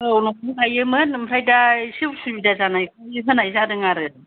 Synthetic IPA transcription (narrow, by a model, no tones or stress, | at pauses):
ɯwnɔk̚ɯŋajɯmɯnmɾajdasiwsubidazanajkʰɯɯɦɯnajzaɾɯŋaɾɯ